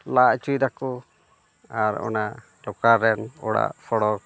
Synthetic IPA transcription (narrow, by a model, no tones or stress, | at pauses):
laʔt͡ʃujɾakɔ | aɾɔ̰na | lɔkaɾɛnɔɽa̰ʔpʰɔɽɔk̚